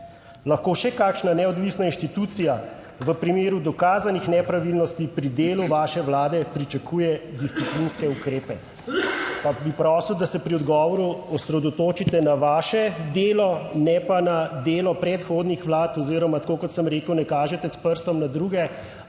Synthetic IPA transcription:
laxkoʃɛkakʃnanɛɔd̪ʋisnainʃt̪it̪ut̪sija | ʋəpɾimeːɾud̪ɔkaːzanixnɛpɾaʋilnɔst̪ipɾid̪eːluʋaːʃɛʋlaːd̪ɛpɾit͡ʃakujɛd̪ist̪siplinskɛukɾeːpɛ | pabipɾɔsiwd̪asɛpɾiɔd̪ɡɔːʋɔɾuɔsɾɛd̪ɔt̪oːt͡ʃit̪ɛnaʋaːʃɛd̪eːlɔnɛpanad̪eːlɔpɾɛt̪xoːd̪nixʋlaːt̪ɔziɾɔmat̪ḁkoːkɔt̪səmɾeːkəwnɛkaːʒɛt̪ɛspəɾst̪ɔmnad̪ɾuːɡɛ

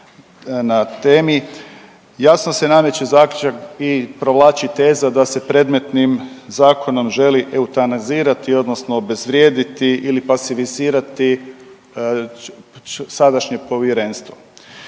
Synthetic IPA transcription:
nat̪e̞ːmi | jasno̞se̞name̞t͡ɕezaːkʎʲut͡ʃakipɾo̞ʋlˠaːt͡ɕit̪e̞ːzad̪ase̞pɾe̞d̪me̞t̪nimzaːkʰo̞no̞mʒe̞liʔe̞ut̪aniziːɾat̪io̞d̪no̞snoːbe̞zʋɾje̞ːd̪it̪iʔilipasifiziːɾat̪i | sad̪aʃɲe̞po̞ʋjeɾe̞ːnst̪ʋo

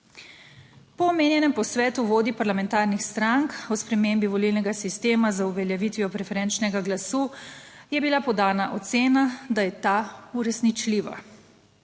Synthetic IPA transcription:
pɔːmeːnjɛnɛmpɔsʋɛːt̪uʋoːd̪ipaɾlamɛnt̪aːɾnixst̪ɾaŋkɔspɾɛmeːmbiʋɔlilnɛɡasist̪eːmazauʋɛljaʋit̪ʋijɔpɾɛfɛɾɛnt͡ʃnɛɡaɡlasuː | jɛbilapɔd̪aːnaʔɔt̪seːnad̪ajɛt̪auɾɛsnit͡ʃliːʋa̰

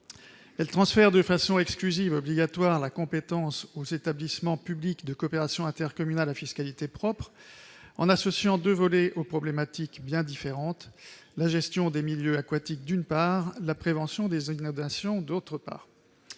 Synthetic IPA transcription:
ɛlt̪χɑ̃sfɛʁd̪əfasɔ̃ɛksklyzivɔbliɡat̪waʁlakɔ̃pet̪ɑ̃sozet̪ablismɑ̃pyblikd̪əkɔːpeʁasjɔ̃ɛ̃t̪ɛʁkɔmynalafiskalit̪epχɔpχɑ̰̃nasɔsjɑ̃d̪øvɔlɛʔopχɔblemat̪ikbjɛ̃d̪ifeʁɑ̃t̪ | laʒɛst̪jɔ̃d̪emiljøakwat̪ik̚d̪ynpaʁlapχevɑ̃sjɔ̃d̪ezinɔ̃d̪asjɔ̃d̪ot̪χəpa̰ːʁ

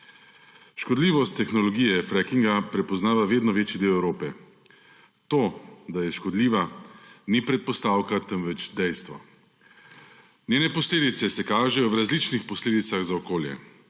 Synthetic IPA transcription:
ʃkɔd̪liːʋɔst̪ːɛxnɔlɔɡijɛfɾɛkiŋɡapɾɛpɔznaːʋaʋeːd̪nɔʋeːt͡ʃid̪eːwɛwɾoːpɛ | t̪oːd̪ajɛʃkɔd̪liːʋanipɾɛt̪̚pɔst̪aːwkat̪əmʋɛt͡ʃd̪ɛjst̪ʋɔ̰ | nʲjeːnɛpɔsleːd̪it̪sɛsɛkaːʒɛjɔwɾazlit͡ʃnixpɔsleːd̪it̪saɣzaɔkoːljɛ̰

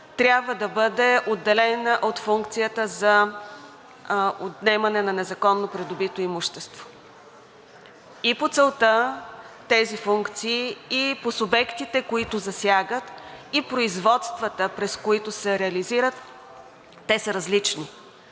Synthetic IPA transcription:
t̪ɾʲabvəd̪ɐbɤd̪ɛʔod̪ːɛlɛnəʔot̪fuŋkt̪sijət̪əzɐ | ot̪nɛmɐnɛnɐnɛzɐkɔnːopɾɛd̪ʊbit̪oimuʃt̪ɛst̪vo̥ | ipot̪sɛlˠt̪ət̪ɛzifuŋkt̪siːposʊbɛkt̪it̪ɛkoit̪ʊzɐsʲjaɡət̪ipɾoizvɔt̪st̪vət̪əpɾɛskoit̪ʊsɛɾɛɐliziɾət̪ː | ɛsəɾɐzlit͡ʃni

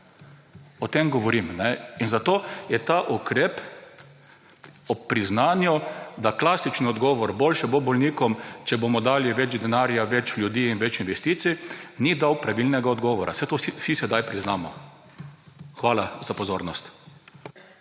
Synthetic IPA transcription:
ɔt̪emɡɔʋɔɾimnɛinzat̪oːjɛt̪aʔukɾeːp | ɔpɾiznaːnjɔd̪aklaːsit͡ʃniɔd̪ɡɔːʋɔɾbolʃɛbobɔlniːkɔmt͡ʃɛbomɔd̪aːliʋɛd͡ʒd̪ɛnaːɾjaʋɛt͡ʃlʲjud̪iːinʋɛt͡ʃinʋɛst̪iːt̪sinid̪awpɾaʋilnɛɡaɔd̪ɡɔːʋɔɾʔa̰sɛt̪ossisɛd̪ajpɾiznaːmɔ | xʋaːlazapɔzoːɾnɔst̪

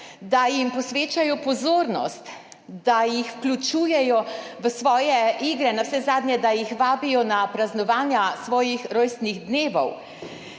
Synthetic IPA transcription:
d̪ajimpɔsʋeːt͡ʃajɔpɔzoːɾnɔ̰st̪ | d̪ajixwklʲut͡ʃuːjɛjɔʋəsʋɔːjɛiɡɾɛnawsɛzaːd̪njɛd̪ajixʋaːbijɔnapɾaznɔʋaːnjasʋɔːjixɾoːjst̪niɣd̪neːʋɔ̰w

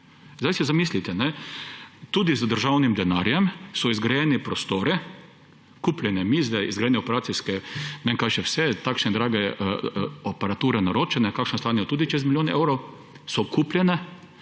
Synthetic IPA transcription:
zd̪ajsɛzamiːslit̪ɛnɛ | t̪uːd̪izd̪əɾʒawnimd̪ɛnaɾjɛmsɔizɡɾajɛnɛpɾɔst̪oːɾɛ | kuːplʲjɛnɛmiːzd̪ɛizɡɾajɛnɛɔpɛɾaːt̪sijskɛmɛŋkaʃɛwsɛt̪aːkʃnɛd̪ɾaːɡɛ | ɔpɛɾat̪uːɾɛnaɾoːt͡ʃɛnɛkakʃnɔst̪aːnjɔt̪uːd̪it͡ʃɛs̬t̪miljoːnɛɛwɾow | sɔkuːpljɛnɛ

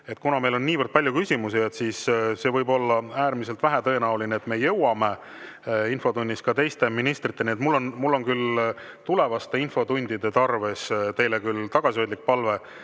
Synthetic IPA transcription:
e̞t̪kunɑme̞jlo̞nːiːvərd̪̥̚pɑljukysʲimusie̞t̪siːsse̞vɤjbo̞lːɑæːɾmise̞lt̪væɦæt̪ɤ̞e̞næulineːt̪me̞ːjɤ̞wɑme̞ | info̞t̪unʲd̪iskɑt̪e̞jst̪e̞minist̪rit̪ːenʲiet̪mulːo̞nmulːo̞nkyl | t̪ule̞vɑst̪e̞info̞t̪unʲd̪̥id̪̥e̞t̪ɑrve̞st̪e̞jlekylt̪ɑɡ̥ɑsiojd̪lik̚pɑlve̞

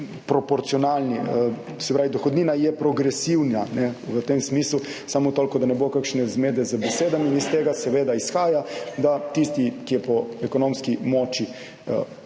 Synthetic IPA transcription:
pɾɔpɔɾt̪sijɔnaːlniə | sɛpɾaːʋid̪ɔxod̪niːnajɛpɾɔɡɾɛsiwnanɛʋət̪emsmiːslusamot̪olʲkɔd̪anɛbokakʃnɛzmeːd̪ɛzabɛseːd̪aminist̪eːɡasɛʋeːd̪aisxaːjad̪at̪ist̪ikijɛpɔɛkonomskimoːt͡ʃi | ə̰

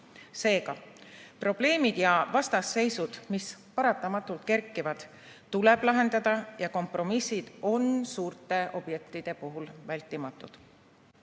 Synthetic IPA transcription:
se̞ːɡɑpro̞b̥le̞ːmid̪̥jɑvɑst̪ɑsːe̞jsud̪̥mispɑɾɑt̪ːˑɑmɑt̪ːˑult̪̚ke̞ɾkːˑivɑd̪̥ | t̪ule̞b̥lɑɦe̞nd̪ɑd̪̥ɑjɑko̞mpro̞misid̪̥o̞nsuːrt̪ˑe̞ʔo̞b̥je̞k̚t̪ˑid̪̥e̞puɦulvælʲt̪ːˑimɑt̪ːˑud̪̥

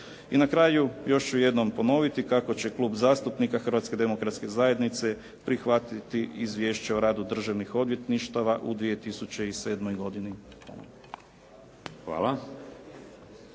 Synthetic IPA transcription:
inakɾaːjujo̞ʃuje̞d̪no̞mpo̞no̞ʋit̪ikako̞t͡ɕe̞klˠuːbzaːst̪upnikaxər̩ʋat̪ske̞d̪e̞mo̞kɾat̪ske̞zaje̞d̪nit̪se̞ | pɾixʋat̪it̪iizʋje̞ːʃt͡ɕeoɾaːd̪ud̪r̩ʒaʋnixo̞d̪ʋje̞t̪niʃt̪aʋaʔud̪ʋije̞t̪isut͡ɕe̞ise̞ːd̪mo̞jɡo̞d̪ini | a̰ | xʋa̰ːlˠa

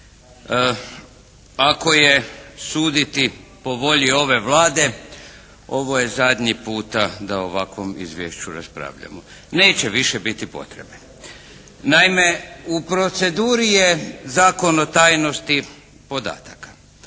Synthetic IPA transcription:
ako̞je̞suːd̪it̪ipo̞ʋo̞ʎio̞ʋe̞ʋlˠaːd̪e̞ | o̞ʋo̞je̞zad̪ɲipuːt̪ad̪aoʋakʋo̞mḭzʋʲjeʃt͡ɕuɾaspɾa̰ːʋʎa̰mo | neːt͡ɕeʋiʃebit̪ipo̞̰t̪ɾebne | naimeupɾo̞t̪se̞d̪uːɾijezaːko̞no̞t̪aːjno̞st̪i | po̞d̪a̰ːt̪akḁ

